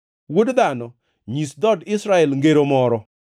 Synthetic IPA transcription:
wodd̪anɔ | ɲisd̪ɔdɪsɾaɛlŋɡeɾomɔɾɔ

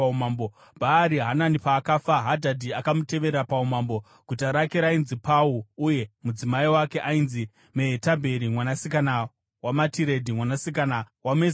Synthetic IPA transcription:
umambo | bʱaːɾiɦananipaːkafaɦadʱadʱiakamute̞ʋe̞ɾeɾapaumambo̞ | ɡ̥ʱutaɾake̞ɾainzipauuje̞mud͡zimaiwake̞ʔainzi | meɦetabʱe̞ɾimwanasikana | wamatiɾe̞dʱimwanasikana | wame

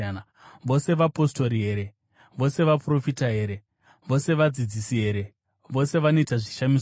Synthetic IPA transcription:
n | ʋo̞se̞ʋapo̞sto̞ɾiɦe̞ɾe̞ | ʋo̞se̞ʋapro̞fitaɦe̞ːɾe̞ | ʋo̞se̞ʋad͡zid͡zisiɦe̞ɾe̞ | ʋo̞se̞ʋanoitaʐiʃamis

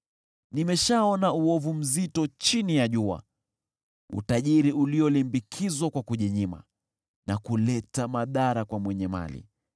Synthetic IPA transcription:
nimɛʃaɔnauɔvum̩zitɔt͡ʃinijaʄua̰ | ṵtaʄiɾiʔuliɔlimbikʰizwakwakuʄɛɲima̰ | nakulɛtamaðaɾakwamwɛɲɛma̰lḭ

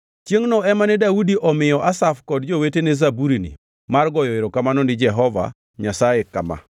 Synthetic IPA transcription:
t͡ʃjeŋnɔɛmanɛdaudiʔɔmɪjɔʔasafkɔdd͡ʒowetenɛzabuɾinḭ | marɡɔjɔeɾɔkamanɔnɪd͡ʒɛɦɔva̰ | ɲasajekama̰

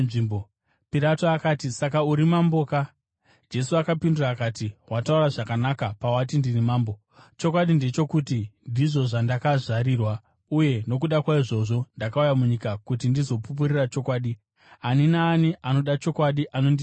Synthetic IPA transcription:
ʐiːmbo | piɾatoakaːtisakauɾimambo̞ka | d͡ʒe̞suakapinduraːkaːtiwatauraʐakanakapawat̬indirimaːmbo̞ | t͡ʃo̞kwaɗinde̞t͡ʃo̞kutindiʐo̞ʐandakaʐaɾiːrwa | uje̞no̞k̬uɗakwaiʐo̞ʐo̞ndakaujamuɲikakutindizo̞pup̬uɾirat͡ʃo̞kwaːɗi | aninaːniʔano̞ɗat͡ʃo̞kwaɗiʔano̞ndi

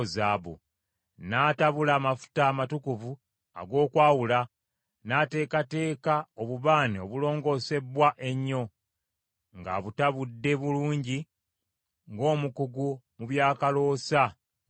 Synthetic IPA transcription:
zaːβo̰ | naːtaβulaːmafu̥taːmatukuvu | a̰ɡo̞ːkwaːwula | nate̞ːkate̞ːkaoβuβaːneo̞βulo̞ːŋɡo̞ːse̞βwaʔe̞ɲːo̞ | ŋɡa̰βutaβudːe̞βuluːɲɟi | ŋɡo̞ːmukuɡumuβjaːkalo̞ːsa

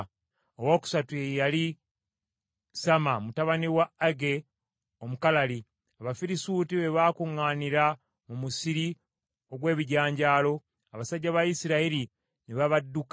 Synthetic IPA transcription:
owo̞ːku̥satuejali | samamutaβaniwaaɡe̞ | o̞mukalali | aβafiɾisuːtiβe̞βaːkuŋːaːniɾa | mumusiɾi | o̞ɡwe̞ːβiɟaːɲɟaːlo̞ | aβasaɟːaβajisiɾaiɾi | niβaβadːuk

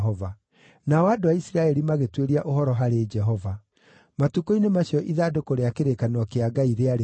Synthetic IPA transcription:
ɔva | naɔadowaisiɾaɛɾimaɣetweɾiaʔoɦɔɾɔɦaɾed͡ʒɛɦɔva | matukoinemaɕiɔʔiðadokoɾeakeɾekanwɔkeaɡaiɾeaɾe

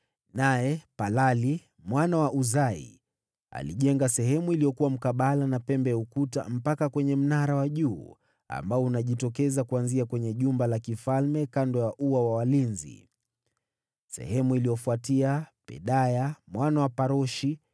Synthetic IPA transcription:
najɛpalali | mwanawaʔuzaḭ | a̰liʄɛŋɡasɛɦɛmuilijɔkuwam̩kaɓalanapɛmbɛukuta̰m̩pakakwɛɲɛm̩naɾawaʄuː | a̰mbaɔunaʄitɔkɛzakuanziakwɛɲɛʄumbalakifalmɛkandɔjaʔuwawawalinzḭ | sɛ̰hɛmuilijɔfuatiapɛ̰ɗajamwanawapaɾɔʃi

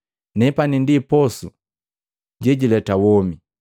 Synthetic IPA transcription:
nɛpanindipɔsu | ɟɛɟilɛtawɔmi

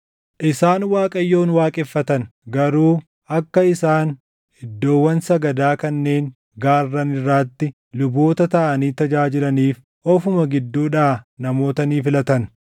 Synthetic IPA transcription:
ʔɪsaːnwaːkʼɐjːo̞ːnwaːkʼɛfːɐt̪ɐnɡɐɾuː | ʔɐkːɐɪsaːn | hɪd̪ːo̞ːwːɐnsɐɡɐd̪aːkɐnːe̞ːŋ | ɡaːrːɐnɪrːaːt̪ːɪ | lʊbo̞ːt̪ɐt̪ɐʔɐniːt̪ɐd͡ʒaːd͡ʒɪlɐniːf | ʔɔfʊmɐɡɪd̪ːuːᶑaːnɐmo̞ːt̪ɐniːfɪlɐt̪ɐn

